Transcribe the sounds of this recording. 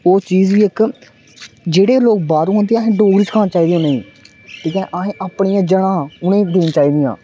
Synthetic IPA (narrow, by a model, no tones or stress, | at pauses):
oːt͡ʃiːzʋiːɪk | d͡ʒeːɽeːloːk̚baːɾũːɦʊnd̪ẽɦẽːɖoːɡɽit͡ʃkʰaːnt͡ʃaːiːd̪ijõːneḭ̃ː | ʈʰiːkɛ̃ːʔaɦẽːʔaːpɳiːãːd͡ʒəɽãːʊnẽːd̪eːnt͡ʃaːiːd̪iːjã̰ː